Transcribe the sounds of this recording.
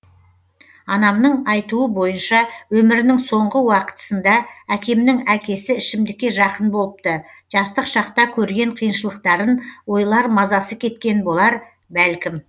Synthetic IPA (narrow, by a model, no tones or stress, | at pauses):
ɑnɑmnəɴɑjt̪uəbo̞jənʃɑwɵmɪɾɪnɪŋso̞ɴʁəwɑqə̥t̪ə̥sənd̪ɑækʲe̞mnɪŋækʲe̞sɪɪʃɪmd̪ɪkʲːe̞ʒɑqənbo̞lˠəp̚t̪ə | ʒ̥ɑst̪əqʃɑqt̪ɑkʲʰɵɾɡʲe̞ɴqʰijənʃəlˠəq̚t̪ɑɾənwo̞jlˠɑɾmɑzɑsəkʲʰe̞t̪kʲe̞nbo̞lˠɑɾ | bælkʲɪm